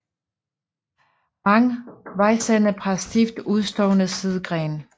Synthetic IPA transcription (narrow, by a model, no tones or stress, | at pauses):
ɑŋʋɑ̈ɪsænəpʰʁɑsd̥ifd̥uð̞ˠsd̥ɔʊnəsið̞ˠɡ̥ʁɛːn